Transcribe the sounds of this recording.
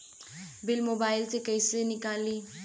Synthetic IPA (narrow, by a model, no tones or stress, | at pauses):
bɪlmobaɪlt͡sʼɪkaisenikʼalɪ